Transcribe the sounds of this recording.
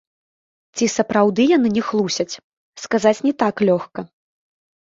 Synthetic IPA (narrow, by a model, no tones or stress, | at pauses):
t͡sʲisɐpɾawd̪ɨjan̪ɨnʲɛxlˠusʲɐt͡sʲ | skazat͡sʲnʲɛt̪aklʲɔxkɐ